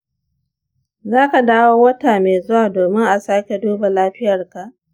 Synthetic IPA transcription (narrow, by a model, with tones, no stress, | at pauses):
zaː˦ka˨daː˦woː˦wɐ˦taː˨meː˨zʊ˦waː˨doː˨mɪ˦ŋʔa˨saː˦kʲe˨duː˦ba˨laː˦ɸɪ˦jɐ˨rka˨ʔ